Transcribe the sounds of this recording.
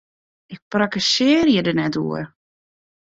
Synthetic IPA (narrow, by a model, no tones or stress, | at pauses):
ʔɪk̚prakəsɪərjədənɛtṵər